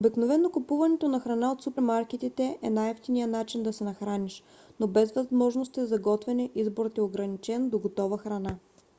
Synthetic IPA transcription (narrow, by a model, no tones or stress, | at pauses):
obiknovɛnːokʊpuvɐnɛt̪onɐxɾɐnaot̪supɛɾmaɾk̟it̪it̪ɛʔɛnajɔft̪inijənat͡ʃind̪ɐsɛnɐxɾaniʃ | nobɛzvɐzmɔʒnost̪izɐɡɔt̪vɛnɛʔizboɾət̪ɛoɡɾɐnit͡ʃɛnd̪oɡot̪ɔvəxɾɐna